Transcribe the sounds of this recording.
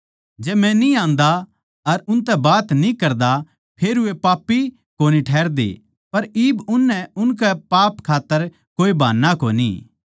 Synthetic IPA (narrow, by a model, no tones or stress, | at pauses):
d͡ʒɛːmɛ̃niãːnd̪a | ɐɾʊ̃nt̪ɛbaːt̪nĩkɐɾd̪a | pʰeːɾʊepaːpːi | koːniʈʰɛːɾd̪ḛ | pɐɾiːbʊnːɛ̃ʊnkɛpaːpkʰaːt̪ːəɾ | koːibʱaːnːakoːnḭ